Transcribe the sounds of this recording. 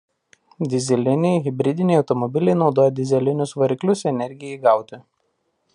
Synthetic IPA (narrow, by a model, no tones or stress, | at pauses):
d̪ʲɪzʲɛlʲɪnʲɛɪɣʲɪbʲɾʲɪd̪ʲɪnʲɛɪɒʊt̪ɔmɔbʲɪlʲɛɪnɒʊd̪oːjɛd̪ʲɪzʲɛlʲɪnʲʊsʋɐɾʲɪklʲʊsɛnʲɛɾʲɡʲɪjɛiɡɑˑʊt̪ʲɪ